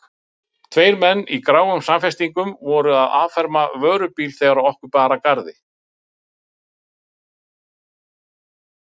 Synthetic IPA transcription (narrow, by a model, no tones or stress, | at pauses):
t̪ʰveːjɾmɛnːikɾaːwɣʏmsamfɛst̪iŋkʏmvɔɾʏaða̰ːvfɛɾmavœːɾʏpiːlθɛːɣaɾaðɔhkʏpaːɾakaɾðɪ